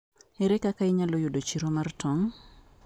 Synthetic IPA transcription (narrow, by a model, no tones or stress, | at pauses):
ɛɾɛkakaɪɲalojʊdot͡ʃiɾomartʰɔŋ